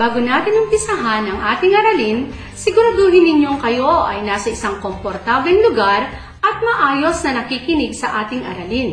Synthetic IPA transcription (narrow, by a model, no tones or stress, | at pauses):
b̥aːɡʊnaːt̪ɪnʊmpɪsɐɦanɐŋʔaːt̪ɪŋɐɾɐlin | sɪɡʊɾɐd̪uːhɪnːɪɲo̞ŋkɐjo̞ʔɐjnaːsɐʔɪsaŋko̞mpoɾt̪ablɛŋlʊɡaɾ | ʔɐt̪̚mɐʔaːjo̞snɐnɐkiːkɪnɪɡsɐʔaːt̪ɪŋʔɐɾɐlin